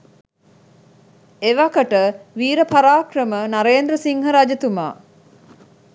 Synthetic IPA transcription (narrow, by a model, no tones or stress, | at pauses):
eʋakəʈəʋiːɾəpaɾaːkrəmənaɾeːnd̪ɾəsiŋɦɐɾad͡ʒɐt̪uma̰ː